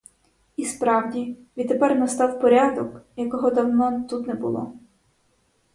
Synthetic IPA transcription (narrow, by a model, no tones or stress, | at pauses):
ispɾɑwdʲiʋʲid̪t̪ːepɛrnɐst̪ɑwpɔɾʲɑd̪ɔkjɐkɔɦɔd̪ɐɦmɔnt̪ut̪nɛbʊlˠɔ̰